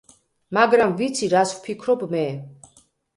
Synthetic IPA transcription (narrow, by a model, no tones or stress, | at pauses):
maɡɾamvit̪sʰiɾaswpʰikʰɾɔbmɛ